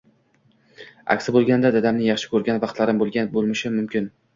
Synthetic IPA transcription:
a̰kʲsɪbolˠɡʲand̪ad̪ad̪amnɪjɑχʃɪ̥kʲʰɵɾɡʲanvɑqt̪laɾɪmbolˠɡʲabolˠmɪʃɪmʊmkʲʰɪn

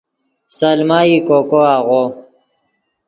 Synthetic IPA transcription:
sɐlmaːikokoaːʁo

